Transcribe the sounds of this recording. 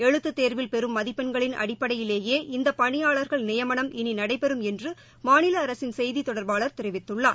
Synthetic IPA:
ɛɻɯt̪ːɯt̪ːeːɾʋɪlpɛɾɯmːɐðɪpːɐnɡɐɭɪnʔɐ̰ɽɪpːɐɽɐjɪleːjeːʔɪnd̪ɐpɐɳɪjaːɭɐɾɣɐɭnɪjɐmɐɳɐmɪninɐɽɐɪpɛɾɯmɛndrɯ | maːnɪlɐːɾɐsɪnsɛjðit̪ɔɽɐɾbaːɭɐɾt̪ɪɾɪʋɪt̪ːɯɭːaː

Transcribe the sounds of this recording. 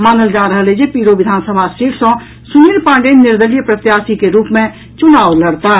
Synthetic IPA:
maːnəld͡ʒaːɾəɦəlɦed͡ʒepiːɾoʋɪd̪ʱaːnsəbʱasiɾsɔ̃ | sumiɾpãːɳɖennːɪɾd̪əlijəpɾət̪jaːsikeɾuːpmẽ | t͡ʃʊnaːuləɽt̪a

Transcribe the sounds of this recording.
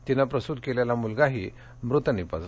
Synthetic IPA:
t̪inapɾəst̪ut̪̚keljalamulɡaɦiː | mɾut̪ənipə̰d͡z

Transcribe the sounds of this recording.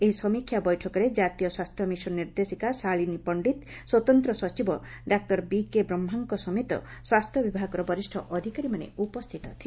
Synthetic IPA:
eɦisɔmikʰːjabɔjʈʰɔkɔɾed͡ʒat̪iɔswast̪ʰjɔmisɔniɾd̪esikasaɭinipɔɳɖit̪ | swɔt̪ɔnt̪ɾɔsɔt͡ʃibɔ | ɖak̚ʈɔɾbikebɾɔmːɦaŋkɔsɔmet̪ɔ̰ | swast̪ʰjɔbibʱaɡɔɾɔbɔɾisʈʰɔʔɔd̪ʱikaɾimanḛupɔst̪ʰit̪ɔt̪ʰi

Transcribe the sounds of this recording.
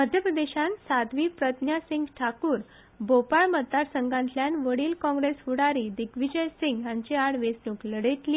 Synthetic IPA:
məd̪ʱjəpɾəd̪eɕãnsad̪ʋiːpɾət̪njasiŋɡʈʰakuːɾ | bopaɭməd̪ːaɾsəŋɡãnt̪ljanʋəɽiːlkɔ̃ŋɡɾesfuɽaɾid̪ikʋid͡ʑəjsiŋɡjãɲt͡ɕeaɽʋesnukləɽet̪liː

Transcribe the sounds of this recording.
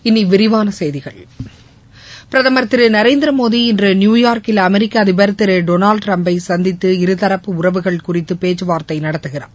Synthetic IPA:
ɪnːiʋɪɾɪʋaːnɐsɛjðɪɣɐɭ | pɪɾɐðɐmɐɾt̪ːɪɾɯnɐɾeɪnd̪ɪɾɐmoːðiɪndrɯnjuːjaːɾkɪlɐmɛɾɪkːaːðɪbɐɾɐt̪ːɪɾɯɖoːnaːɭɖʈɾɐmbɐɪsɐnd̪ɪt̪ːɯɪɾɯt̪ɐɾɐpːɯʊrɐʋɯɣɐɭkʊrɪt̪ːɯpeːt͡ʃːɯʋaːɾt̪ɐɪnɐɽɐt̪ːɯɣɪra̰ː

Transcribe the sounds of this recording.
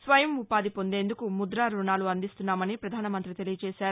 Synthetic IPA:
sʋɐjɐmupaːd̪ipo̞nd̪e̞ːnd̪ukumud̪ɾaːɾuɳaːluɐnd̪ist̪unːaːmɐnipɾɐd̪ʱaːnɐmɐnt̪ɾit̪e̞lijɐt͡ʃɛːʃaːɾu

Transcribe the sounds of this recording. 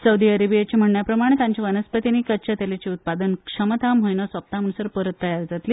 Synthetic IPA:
səwd̪iəɾebijat͡ɕim̤əɳɳjapɾəmaɽ̃et̪jãɲt͡ɕiʋənəspət̪iniːkət͡ɕət̪elet͡ɕiut̪̚pad̪ənkʂəmət̪ʰamɦojnəsʋap̚t̪am̤əɳ̃ũsəɾpəɾət̪ːəjaɾd͡zat̪liː

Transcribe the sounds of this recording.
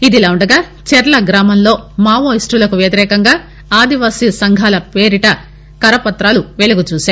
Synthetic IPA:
id̪ilaːuɳɖɐɡaː | t͡ʃɛɾɐlɐɡɾaːmɐmlo̞ːmaːʋoːisʈulɐkuʋjɐt̪iɾɛːkɐŋɡaː | aːd̪iʋaːsisɐŋɡʱaːlɐpeːɾiʈɐ | kɐɾɐpɐt̪ɾaːluʋeluɡut͡ʃuːʃaː

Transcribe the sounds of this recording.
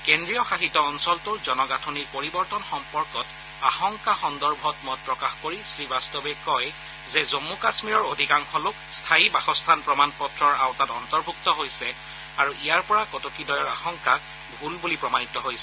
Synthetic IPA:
kɛndɹijɔxaxitɔːnsɔltʊɹzɔnɔɡatʰɔniɹpoɹibɔɹtɔnxɔmpɔɹkɔt | axɔŋkaxɔndɔɹbʱɔtmɔt̚pɹɔkaxkoɹisɹibastɔbɛkɔj | zɛzomːukasmiɹɔɹodʱikaŋkʰɔlʊkstʰaibaxɔstʰanpɹɔmanpɔtɹɔɹawtatɔntɔɹbʱuktɔɦojsɛ | aɹuʔijaɹpɔɹakɔtokidɔjɔɹaxɔŋka | bʱulbulipɹɔmanitɔɦojsɛ

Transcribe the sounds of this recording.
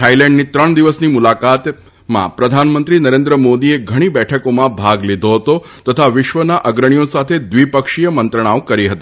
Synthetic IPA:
ʈʰailɛ̃ɳɖniːt̪ɾəɳd̪iʋəsniːmulakat̪ | mã̰pɾəd̪ʱanmənt̪ɾiːnəɾend̪ɾəmod̪ieɡʱəɽ̃ibɛʈʰəkomãbʱaɡlid̪ʱoɦət̪o | t̪ət̪ʰaʋɪʃʋənaʔəɡɾəɳ̃ijõsat̪ʰed̪ʋipəkʂijəmənt̪ɾəɽ̃aʋkəɾiɦət̪i

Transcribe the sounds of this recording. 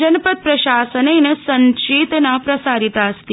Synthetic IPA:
ɐnpət̪̚pɾɐɕaːsənɐjnɐsɐnt͡ʃiːt̪napɾɐsaːɾit̪aːst̪i

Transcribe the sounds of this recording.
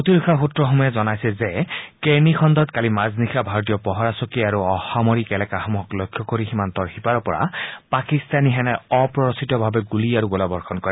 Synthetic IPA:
ot̪iɹukʰɔɹxutɹɔxɔmɔjɛzɔnajsɛzɛkenixʰɔnd̪ɔt̪kalimaznixʰabʱaɹɔt̬ijɔpɔɦɔɹasɔkiaɹuɔxamɔɹikɛlɛkaxɔmuɦɔklɔjkʰːɔkoɹiximant̪ɔɹxipaɹɔpɔɹa̰pakist̪aniɦɛnɛɔpɹɔɹɔsitɔbʱabɛɡuliaɹuɡɔlabɔɹxʰɔnkɔɹɛ

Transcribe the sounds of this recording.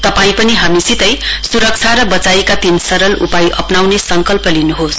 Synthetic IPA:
t̪ʌpaĩpʌniɦamisit̪ʌjsuɾʌk̚t͡sʰaɾʌbʌt͡sajekat̪insʌɾʌlṵpajʔʌpnawnesʌŋkʌlpʌlinuɦos

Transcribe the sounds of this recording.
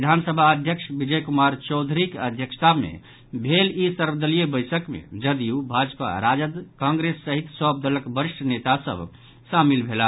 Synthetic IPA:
id̪ʱansəbʱaəd̪ʱjəksbid͡ʒəjkumaɾt͡ʃɔwd̪ʱɾikəd̪ʱjəkssamḛ | bʱelisəɾbd̪əlijebəjsəkmḛd͡ʒəd̪iubʱad͡ʒpa̰ɾad͡ʒəd̪kãŋɡɾesːəɦit̪səb̚d̪ələkbəɾiʃʈʰənet̪asə̰bʱ | samilbʱela

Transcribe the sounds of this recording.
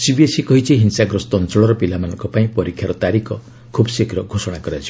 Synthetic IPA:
sibiesikɔɦit͡ʃʰiɦinsaɡɾɔst̪ɔnt͡ʃɔɭɔɾɔpilamanɔŋkɔpaĩpɔɾikʰːjaɾɔt̪aɾikʰɔ | kʰubsikɾɔɡʱosɔɽ̃akɔɾat͡ʃʰi

